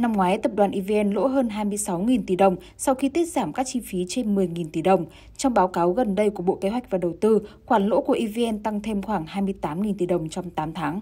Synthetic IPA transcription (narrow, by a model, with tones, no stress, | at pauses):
na˧mŋwaː˨˦jt̪ə˨˩p̚ɗwaː˨˩nʔi˧ve˧ʔɛ˧nlo̰˧˥ɦəː˧nɦaː˧jmɨ˧əjsa˨˦wŋi˨˩nt̪i˧˩ɗə˨˩wŋ͡m | sɔ˧wxi˧t̪i˦˥ət̚z̥aː˧˩mkaː˦˥k̚t͡ɕi˧fi˨˦t͡ɕe˧nmɨ˨˩əjŋi˨˩nt̪i˧˩ɗə˨˩wŋ͡m | t͡ɕɔ˧wŋ͡mɓaː˨˦wkaː˨˦wɣə˨˩nɗə˧jku˧˩əɓo̰˧˨ke˨˦ɦwa˨˩jk̟̚vaː˨˩ɗə˨˩wt̪ɨ˧xwaː˧˩nlo̰˧˥ku˧˩əʔi˧ve˧ʔɛ˧nt̪a˧ŋt̪ʰe˧mxwaː˧˩ŋɦaː˧jmɨ˧əjt̪aː˨˦mŋi˨˩nt̪i˧˩ɗə˨˩wŋ͡mt͡ɕɔ˧wŋ͡mt̪aː˨˦mt̪ʰaː˨˦ŋ